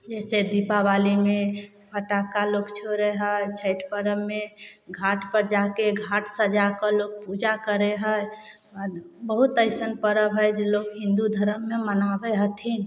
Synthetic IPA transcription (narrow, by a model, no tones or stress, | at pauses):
d͡ʒɛsed̪ipabalime | pʰəʈakalokt͡ʃʰoɾeɦət͡ʃʰəɪʈʰpəɾəmːeɡʱaʈpəɾd͡ʒakeɡʱaʈʰsəd͡ʒakəloɡ̚pud͡ʒakəɾeɦəj | bəɦut̪əɪsənpəɾəbɦəjd͡ʒelokɦĩnd̪ud̪ʱəɾəmːemənabeɦət̪ʰin